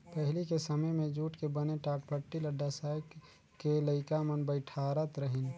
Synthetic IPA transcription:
pəɦɪlikesəməjmẽd͡ʒuːʈkebəneʈaːʈpʰəʈːiləɖːasajk | keləɪkamənbəɪʈʰaːɾət̪ɾəɦɪn

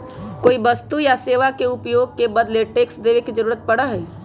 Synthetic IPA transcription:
koːibəst̪ujaseːʋakeʊpjoːɡ̚kebəd̪leʈeːksd̪eːʋekid͡ʒəɾuːɾət̪̚pɐɽaɦɛː

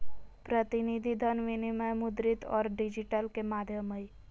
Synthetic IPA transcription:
pɾət̪inid̪ʱid̪ʱənʋiniməjmud̪ɾit̪ɔ̰ːɾɖid͡ʒiʈəlkemad̪ʱjəməj

